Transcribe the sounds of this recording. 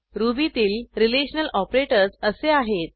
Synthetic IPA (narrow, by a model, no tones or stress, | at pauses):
ɾubit̪iːlɾileɕnəlɔpɾeʈəɾsəseaɦet̪̚